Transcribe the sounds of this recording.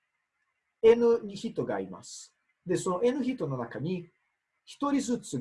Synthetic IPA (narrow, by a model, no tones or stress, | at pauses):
e̞nɯ̟ɲ̟içit̪ːo̞ɡa̰ːɾʲima̰sɨ̥ | d̪e̞so̞no̞ʔe̞nɯ̟çit̪ːo̞no̞nakaɲ̟i | çi̥t̪o̞ɾʲizɨt͡sɨ